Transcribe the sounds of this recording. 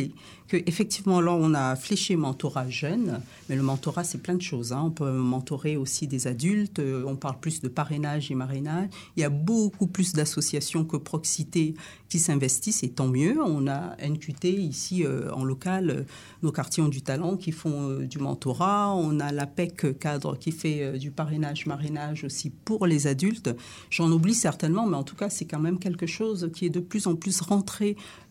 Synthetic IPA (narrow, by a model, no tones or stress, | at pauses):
e | kəʔefɛk̚t̪ivmɑ̃laɔ̃nafleʃemɑ̃t̪ɔʁaʒœn | mɛləmɑ̃t̪ɔʁasɛplɛ̃d̪əʃozɛ̃ɔ̃pømɑ̃t̪ɔʁeosid̪ezad̪ylt̪øɔ̃paʁlplysd̪əpaʁenaʒemaʁenaʒ | iljabokuplysd̪asɔsjasjɔ̃kəpχɔksit̪e | kʲisɛ̃vɛst̪iset̪ɑ̃mjøɔ̃na̰ɛnkʲyt̪eisiø̰ɑ̰̃lɔkalø̰ | nokaʁt̪iɔ̃d̪yt̪alɑ̃kʲifɔ̃ød̪ymɑ̰̃t̪ɔʁaɔ̃nalapɛkkad̪ʁə̰kʲifɛød̪ypaʁenaʒmaʁenaʒosipuʁlezad̪ylt̪ | ʒ̥ɑ̃nublisɛʁt̪ɛnmɑ̃mɛɑ̃t̪ukasɛkɑ̃mɛmk̬ʲɛlkəʃozkʲiɛd̪əplyzɑ̃plysʁɑ̃t̪χe